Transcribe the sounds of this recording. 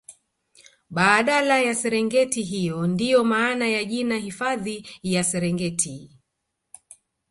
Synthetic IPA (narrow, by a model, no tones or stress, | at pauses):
ɓaːɗalajasɛɾɛŋɡɛtiɦijɔndijɔmaːnajaʄinahifaðijasɛɾɛŋɡɛtʰi